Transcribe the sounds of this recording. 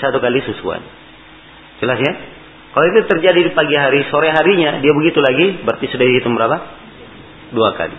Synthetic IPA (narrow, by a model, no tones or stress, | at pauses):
sat̪ukalisusṵa̰n | d͡ʒəlasɲa | kaloit̪ut̪ərd͡ʒadidipaɡiɦaɾisoɾɛɦaɾiɲadiabəɡit̪ulaɡibərt̪isudadisit̪umbəɾapa | duaka̰lḭ